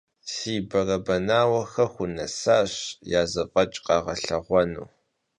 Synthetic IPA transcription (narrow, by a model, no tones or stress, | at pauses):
siːbɐrɐbɐnaːwɐxɐxʷʊnɐ̰saːɕjaːzɐpʼɐt͡ʃʼqɑːʁɐɬɐʁʷɔnṵː